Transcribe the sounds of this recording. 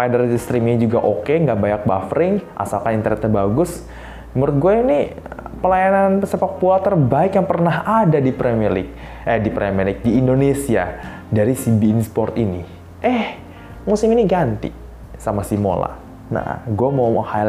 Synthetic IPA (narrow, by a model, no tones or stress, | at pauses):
padəɾst̪ɾimiɲid͡ʒuɡaʔokeŋɡaʔbajak̚bafɾɪŋʔa̰salkanint̪əɾɛk̚t̪əbaɡʊs | məɾʊt̪̚ɡuɛini | pəlajananpəsepak̚pualt̪ərbaɪkjaŋpərnaɦadadipɾɛmilɪ̰k̚ | ɛdipɾɛmilɪk̚diːndonesia̰ | daɾisibiːnspɔrt̪ini | ʔɛh | musɪminiɡant̪ḭ | samasimo̰la̰ | na̰ɡuamoha